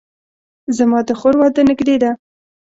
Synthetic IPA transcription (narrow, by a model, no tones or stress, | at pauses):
zamɑd̪əxoɾwɑd̪ənɪɡd̪ed̪a